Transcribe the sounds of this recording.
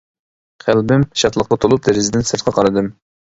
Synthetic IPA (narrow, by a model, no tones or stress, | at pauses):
qʰælbɪmʃɑt̪lˠəχt̪ɑt̪ʰolˠup̚d̪ɪɾɪzɪd̪ɪnsɨɾt̪̚qʰɑqʰɑɾɨd̪ɨm